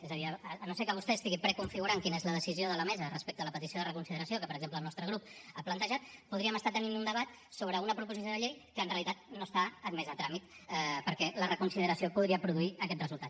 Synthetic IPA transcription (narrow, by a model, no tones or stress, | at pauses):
ezəðiənosekəβust̪ɛst̪iɣipɾəkuɱfiɣuɾaŋkinəezləðəsizioðələmɛzərəspek̚t̪ələpət̪isioðərəkunsiðəɾəsiokəpəɾəɡzempləːlˠnɔst̪ɾəɣ̞ɾup̚aplənt̪əʒat̪̚puðɾiəməst̪at̪əninund̪əβat̪ | soβɾəunəpɾupuzisjoðəʎejkəːnreəlit̪at̪̚nost̪aət̪mɛzət̪ɾamit̪pəɾkɛlərəkunsiðəɾəsiopuðɾiəpɾuðuiəkɛt̪̚rəzulˠt̪at̪